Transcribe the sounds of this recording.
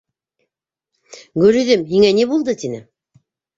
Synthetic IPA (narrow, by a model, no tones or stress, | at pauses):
ɡɵɾy̆ðɘmɦiŋænibulˠd̪ɤt̪inɘ